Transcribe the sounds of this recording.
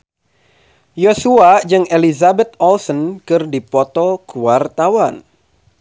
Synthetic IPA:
josuad͡ʒɨŋelizabɛt̪̚ɔlsɔnkɨrdipɔt̪ɔkuwart̪awan

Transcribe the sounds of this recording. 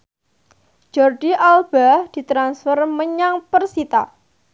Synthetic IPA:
d͡ʒ̥ɔrdiʔalb̥ad̥i̤t̪ɾansfərməɲaŋpərsit̪a̰

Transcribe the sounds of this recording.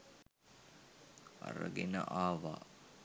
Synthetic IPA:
a̰ɾə̰ɡenə̰ʔaːʋa̰ː

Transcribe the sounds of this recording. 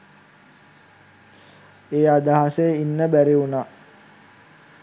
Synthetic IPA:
eːad̪aɦasejəinːəbæɾeuna

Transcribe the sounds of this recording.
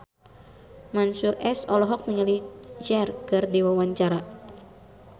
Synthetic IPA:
mansurɛsɔlɔɦɔk̚niŋalid͡ʒɛrkɨrdiwawaɲt͡ʃaɾa

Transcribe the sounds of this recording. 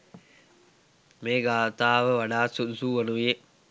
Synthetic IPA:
meːɡaːʋət̪aːʋəʋaɖaːsud̪usuːʋanuʋije

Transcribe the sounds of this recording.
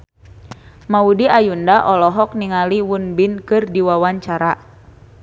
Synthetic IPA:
maudiajundaʔɔlɔɦɔk̚niŋaliwunbinkɨrdiwawaɲt͡ʃaɾa

